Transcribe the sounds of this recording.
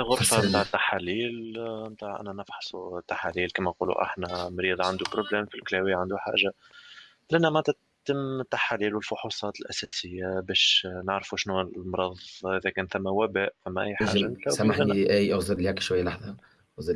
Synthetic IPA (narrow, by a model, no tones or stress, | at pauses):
ɣʊɾˤfɑmt̪aːʕət̪ːaħaliːlmt̪aːʕʔæ̰nænɑfħɑ̥sˤut̪ːaħaliːlkiːmæqṵːlṵʔa̰ħnæmɾiːd̪ˤɑʕand̪upɾoblɛːmfilklæːwiʕand̪uħa̰ːʒa | lʔænːæmʕʕt̪æ | t̪ːəmt̪ːaħaliːlwəlfʊħusˤɑːt̪əlʔæ̰sæsɪjːabɛːʃnaʕɾfuʃnulmɾˤɑðˤʔɪðækɛːnθæmːæwæbæːʔfæmːæʔæ̰jːħaːʒanlæːwsmaænʔæjʔaɣzɪɾlihɛkʃwajːlɑħðˤɑ | ɣzɪ